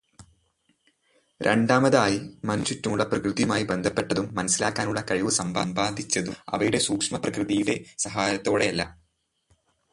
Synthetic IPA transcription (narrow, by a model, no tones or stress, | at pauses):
ɾʔe̞̰ɳɖaːmɐðaːjimɐnuɕutːumuɭːɐprɐkrɨðjɐmaːjibe̞nd̪ʱɐpːe̞ʈːɐðumːɐnɐsilaːkːaːnuɭːɐkɐɻiʋɨsɐmbaːmbaːd̪ʱit͡ɕːɐðuɐ̰ʋɐjuɽe̞suːkʂmɐprɐkrɨðijuɽe̞sɐɦaːjɐt̪ːo̞ːɽe̞ɐlːɐ̰